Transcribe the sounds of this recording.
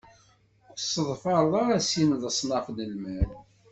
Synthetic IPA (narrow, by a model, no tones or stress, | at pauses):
ksəðˤfɑɾˤðˤɑɾæsimðəsˤnɑfnəlmæl